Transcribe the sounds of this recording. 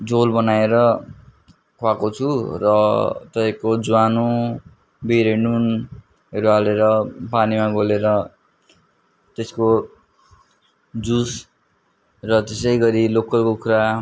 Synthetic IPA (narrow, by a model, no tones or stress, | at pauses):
d͡zolbʌnaeɾʌ | kʰwakot͡sʰurʌt̪ʌpajkod͡zwanu | biɾenun | ɦʌɾualeɾʌpanimaɡʱoleɾʌ | t̪esko | d͡zus | rʌt̪esʌjɡʌɾilokʌlkokuɾa